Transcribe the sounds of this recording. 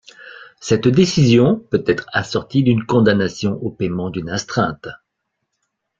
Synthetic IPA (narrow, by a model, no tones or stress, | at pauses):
sɛt̪d̪esizjɔ̃pøt̪ɛt̪χasɔʁt̪id̪ynkɔ̃d̪anasjɔ̃ʔopɛmɑ̃d̪ynɛ̃st̪χɛ̃t̪